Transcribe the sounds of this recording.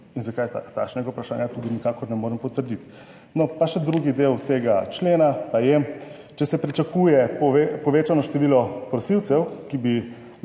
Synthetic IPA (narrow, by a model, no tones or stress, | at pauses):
inzakaj̪at̪a̰kʃnɛɡaupɾaʃa̰ːnjat̪ud̪inikaːkɔɾnɛmoːɾɛmpɔt̪əɾd̪it̪ | nɔpaʃɛd̪ɾuɡid̪eːwt̪eːɡat͡ʃleːnapajɛ | t͡ʃɛsɛpɾit͡ʃakuːjɛpɔepɔʋeːt͡ʃanɔʃt̪ɛʋiːlɔpɾɔsiwt̪sɛwkibi